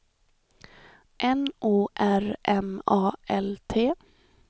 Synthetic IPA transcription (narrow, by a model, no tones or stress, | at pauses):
ʔɛnʔuːʔæɾʔɛmɑːʔɛlt̪ʰeː